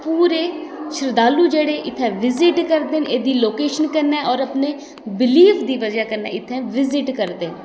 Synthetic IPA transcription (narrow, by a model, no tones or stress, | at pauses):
puːɾeːʃʰɪɾd̪aːluːd͡ʒeːɽeːʔɪt̪ʰɛ̃ːʋɪzɪʈkəɾd̪eːneːd̪iːloːkeːʃənkəɾnːɛːʔɔːɾəpneː | bɪliːfʰd̪iːʋəd͡ʒaːkəɾnɛ̰ːɪt̪ʰːɛ̃ːʋɪzɪʈkəɾd̪eːn